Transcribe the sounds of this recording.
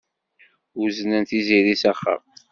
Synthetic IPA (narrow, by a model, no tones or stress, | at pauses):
uzənænt̪iziɾisæχːə̰m